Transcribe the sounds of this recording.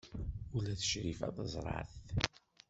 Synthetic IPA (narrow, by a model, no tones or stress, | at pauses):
ulæθə̥ʃɾifæ̰ðˤəzˤɾˤɑ̰θ